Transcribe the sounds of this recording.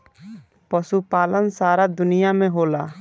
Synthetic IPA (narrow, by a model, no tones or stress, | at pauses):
pəsupaːlənsaːɾad̪ʊnijamẽɦoːlaː